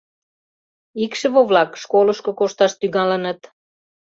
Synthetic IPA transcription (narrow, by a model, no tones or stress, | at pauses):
ikʃə̆βoβlɑkʃkoləʃkokoʃt̪ɑʃt̪yŋɑlənət̪